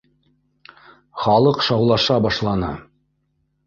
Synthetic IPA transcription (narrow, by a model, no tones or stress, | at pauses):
χɑlˠɤqʃɑwlˠɑʃɑbɑʃlˠɑnɤ̰